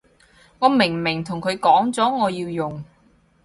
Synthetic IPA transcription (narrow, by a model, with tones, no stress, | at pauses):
ŋɔː˨˧mɪ˨˩ŋmɪ˨˩ŋt̪ʰʊ˨˩ŋkʰɵ˨˧ɥkɔː˨˥ŋt͡sɔː˨˥ŋɔː˨˧jiː˧wjʊ˨ŋ